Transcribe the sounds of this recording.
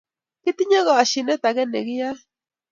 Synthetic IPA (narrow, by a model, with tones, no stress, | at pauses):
ki˦t̪i˦ɲa˦ɣɔ˨a˨ʃi˨ne˦t̪a˨ɣe˦ne˨ɣi˦a˦